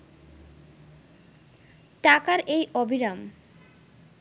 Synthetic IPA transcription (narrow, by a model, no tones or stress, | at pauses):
ʈakaɾʔejʔobʱiɾam